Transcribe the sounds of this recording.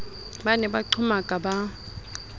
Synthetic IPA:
banɛbaǃʰʊmakʼaba

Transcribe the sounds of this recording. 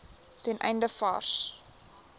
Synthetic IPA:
tɛnʔɛ̰jndəfɑ̰rs

